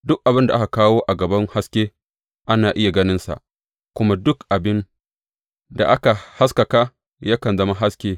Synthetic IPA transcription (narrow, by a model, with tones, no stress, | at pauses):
dʊ˦k̚ʔa˨bɪ˦nda˨ʔa˦ka˨kaː˦woː˦ʔa˨ɡɐ˨bɐ˦ŋha˦skʲeː˦ | ʔa˦naː˨ʔɪ˦ja˨ɡɐ˦nɪ˦nsa̰˨ʔ | kʷʊ˦ma˦dʊ˦kʔa˨bɪ˦n | da̰˨ʔa˦ka˨ha˦skɐ˨ka˦ | ja˦kɐ˨nzɐ˦ma˦ɦa˦skʲeː˦